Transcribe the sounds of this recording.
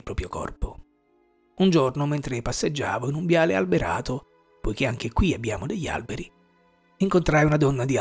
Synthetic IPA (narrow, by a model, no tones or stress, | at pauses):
lpɾɔːpɾjokɔ̰rpo | und͡ʒornoment̪ɾepasːed͡ʒːa̰ːvoinumbjaːlealbeɾa̰ːt̪o | pojkeaŋk̟ekwiabːjaːmod̪eʎːa̰lbeɾi | iŋkont̪ɾajunad̪ɔnːad̪i